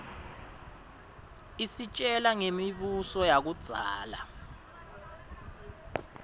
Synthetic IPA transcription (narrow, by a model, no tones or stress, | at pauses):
isit͡ʃʼɛlaŋemiɓusɔjak̬ud̥z̥ʱa̰ːla